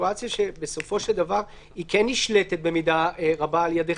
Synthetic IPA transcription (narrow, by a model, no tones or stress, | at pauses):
uat͡sijaʃebe̞so̞fo̞ʃeld̪avaʁ | ikenːiʃlet̪e̞t̪̚be̞mid̪aʁabaːljad̪e